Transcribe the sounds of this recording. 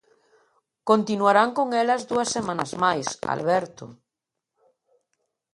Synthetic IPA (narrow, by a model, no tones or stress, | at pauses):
kont̪inwaɾaŋkoŋelɐzðuasːemãnazmajsa̰lβɛɾt̪o̰